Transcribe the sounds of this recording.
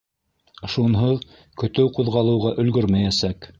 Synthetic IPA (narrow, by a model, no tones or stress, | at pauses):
ʃunɦɤð | kɵ̆t̪ɘwquðʁɑlˠɤ̆wʁɑʔɵ̆lɡɵɾmæjæsæk